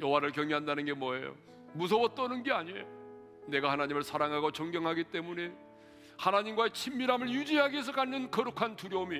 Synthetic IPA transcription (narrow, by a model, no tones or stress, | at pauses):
jʌwaɾɯɭkjʌŋeɦandanɯnɡe̞mwʌḛjo̰ | mus̬ʰʌwʌt͈ʌnɯnɡe̞aɲḛjo | ne̞ɡahanaɲimɯɭsʰaɾaŋɦaɡot͡ɕʌŋɡjʌŋɦaɡit͈e̞mune̞ | hanaɲimɡwaet͡ɕʰimːiɾamɯɭjud͡ʑiɦaɡies̬ʰʌkanːɯnkʌɾɯkʰantuɾjʌumi